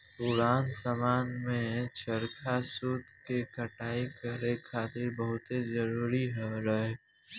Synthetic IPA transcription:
pʊɾaːnsamaːnmẽt͡ʃəɾkʰasuːd̪ʱkekəʈaːikəɾekʰaːt̪ɪɾbəɦʊt̪ezəɾuːɾiɦoɾɐɦe

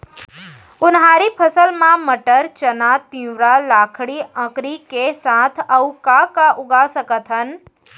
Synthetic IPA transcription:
ʊnɦaːɾipʰəsəlmãməʈəɾt͡ʃənat̪ĩɾalaːkʰɽiə̃kɾikesãːt̪ʰəukakaʔʊɡasəkət̪ʰɦən

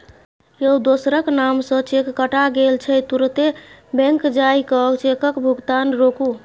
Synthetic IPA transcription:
jeud̪osɾəknamsə̃t͡ʃekːəʈaɡelt͡ʃʰɛt̪uɾt̪ebɛ̃ŋkd͡ʒajkət͡ʃekəkbʱuɡt̪anɾoku

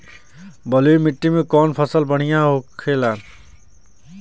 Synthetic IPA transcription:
bəlujmɪʈːimẽkɔːnpʰəsəlbəɽ̤ijãɦoːkʰeːlaːn

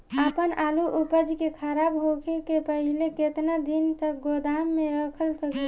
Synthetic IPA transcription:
əpənaluʔupəd͡ʒkekʰəɾabɦokʰekepəɦileket̪nad̪int̪ək̚ɡod̪amːeɾəkʰəlsəkə

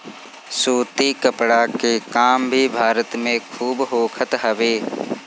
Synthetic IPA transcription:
suːt̪ikəpɽakekaːmbʱibʱaːɾət̪mẽkʰuːbɦoːkʰət̪ɦəʋeː

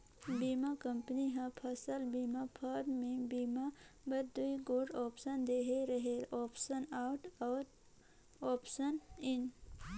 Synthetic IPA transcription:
biːmakə̃mpniɦə̃pʰɐsəlbiːmapʰəɾmẽbiːmabəɾd̪uiɡoɖɔːpsənd̪eːɦeɾəɦeɔːpsənaːʊʈɔːɾ | ɔːpsənɪn

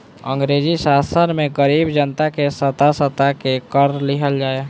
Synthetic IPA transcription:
ə̃ŋɡɾeːd͡ʒisaːsənmẽɡəɾiːbd͡ʒənt̪akesət̪asət̪akekəɾlɪɦəld͡ʒaːe

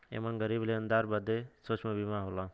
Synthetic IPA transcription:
ḛmanɡəɾibleə̃nd̪aɾbəd̪esot͡ʃʰmẽbimaɦola

